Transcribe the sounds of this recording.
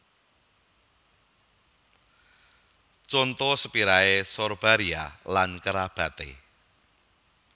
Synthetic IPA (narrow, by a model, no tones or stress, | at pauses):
t͡ʃɔnt̪ɔsəpiɾaesɔrb̥aɾialankəɾab̥ä̤t̪ḛ